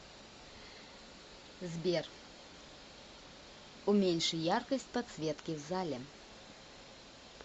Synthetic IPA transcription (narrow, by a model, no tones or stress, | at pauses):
zʲbʲɛr | umʲɛnʲʂɨjarkɐsʲt͡sʲpɐt̪sʲvʲɛt̪kʲiwzalʲɛ